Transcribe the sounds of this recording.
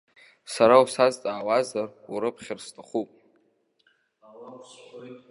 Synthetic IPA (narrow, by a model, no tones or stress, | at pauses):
saɾausazt͡sʼaːwazaruɾɨpʰχʲɪrstʰʼaχupʼ